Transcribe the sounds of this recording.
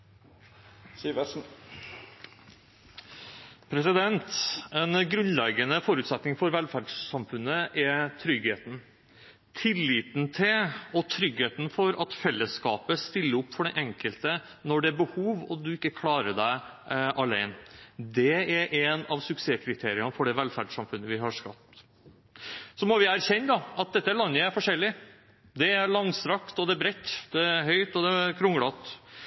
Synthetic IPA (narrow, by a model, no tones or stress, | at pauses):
siʋ | pʰɾɛsɪd̪ɛnt̪ɛnɡɾʉnlɛɡənəfɔɾʉːt̪sɛt̪nɪŋfɔɾʋɛlfæɖssɑmfʉnːəʔɛt̪ʰɾʏɡheːt̪n | t̪ʰɪlːiːt̪nt̪ʰɪɔt̪ʰɾʏɡheːt̪n̩fɔɾɑt̪fɛlːəskɑːpəst̪ɪlːəʊpːfɔɖɛʔɛŋkəlt̪ə | nɔɖɛæɾbəhuːʋɔd̪ʉɪkːəkʰlɑːɾəɖæɪʔɑlæɪnd̪ɛæɾʔɛnɑʋsʉkseːkʰɾɪt̪ʰeːɾɪɑnfɔɖɛʋɛlfæɖsɑmfʉnːəʋɪɦɑʂkɑp̚t̪ | sɔmɔʋɪæɾçɛnːd̪ɑɑt̪̚d̪ɛt̪ːəlɑnːəæɾfɔʂɛlːɪ | d̪ɛæɾɭɑŋsɾɑkt̪ɔd̪ɛbɾɛt̪ːd̪ɛæɦœʏt̪ɔd̪ɛkʰɾʊŋɽɑt̪